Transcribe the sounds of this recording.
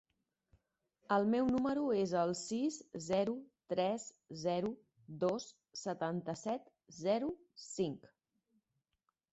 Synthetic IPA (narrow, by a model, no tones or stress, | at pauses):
əlˠmɛwnuməɾuezəlˠsizzɛɾut̪ɾɛs | zɛɾu | d̪os | sət̪ant̪əsɛt̪ | zɛɾu | siŋk